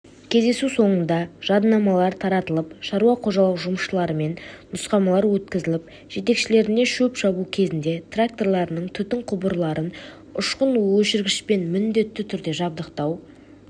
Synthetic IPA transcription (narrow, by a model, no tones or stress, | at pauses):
kʲʰe̞zd̪e̞suso̞ɴənd̪ɑʒ̥ɑd̪nɑmɑlˠɑɾt̪ʰɑɾɑt̪əlˠəpʃɑɾuɑqʰo̞ʒɑlˠəqʒʊməʃəlˠɑɾəme̞nnʊsqɑmɑlˠɑɾwɵt̪kʲɪzɪlɪp | ʒ̥e̞t̪e̞kʃɪle̞ɾɪne̞ʃɵpʃɑbukʲʰe̞zɪnd̪e̞t̪rak̚t̪o̞rlˠɑɾənəɴt̪ʰʏt̪ɪɴqʰʊbəɾlˠɑɾən | ʊʃqənwɵʃɪɾɡʲɪʃpe̞nmɪnd̪e̞t̪ːɪt̪ʰʏɾd̪e̞ʒɑb̚d̪əqt̪ɑw